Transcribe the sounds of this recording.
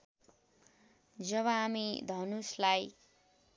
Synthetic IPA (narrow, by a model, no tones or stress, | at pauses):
d͡zʌβʌːmid̪ʱʌnuslaj